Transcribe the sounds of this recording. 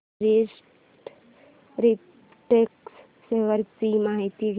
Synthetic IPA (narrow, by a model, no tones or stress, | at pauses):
ɾes | ʈ | ɾi | ʈeks | seʋəɾtimaːɦit̪iɡʱ